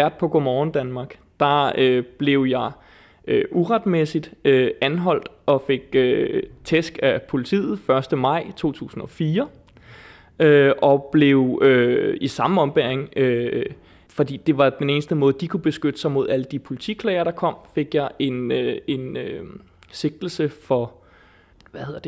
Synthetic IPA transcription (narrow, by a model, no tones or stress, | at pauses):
æɐ̰d̥̚pʰɒ̽ɡ̥omɒːn̩d̥ænmɑ̈ːɡ̥ | d̥ɑ̈øb̥le̝ʊjɑ̈ɪ | øʔuʁad̥mesid̥øænɦɒ̽l̰d̥ʔɒ̽fe̝ɡ̥̚øt͡sʰesɡ̥æpʰo̝lit͡sʰḭːð̞̩ˠfɶɐsd̥əmɑ̈ɪ̰t͡sʰo̝̰ːt͡sʰṵːsn̩ɒ̽fiːɐ | øʔɒ̽b̥le̝ʊøisɑ̈məɒ̽mb̥æɐeŋø | fɒ̽d̥ḭːd̥e̝ʋɑ̈d̥ene̝ːnsd̥əmɔ̽ːð̩ˠd̥ikʰub̥e̝sɡ̥ød̥əsɑ̈ɪmo̝ð̞̰ˠæləd̥ipʰo̝lit͡sʰikʰlɛɪɐɾ̥ɑ̈kʰɒ̽m̰fe̝ɡ̥jɑ̈ɪʔe̝ne̝nø | se̝ɡ̥̚d̥l̩səfɒ̽ | ʋæheðˠɐd̥e